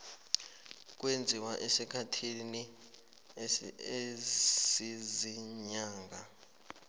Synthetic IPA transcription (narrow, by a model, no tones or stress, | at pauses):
k̬ʼwend͡zʱiwaʔesikʰatʰini | eziziɲaːŋɡʱa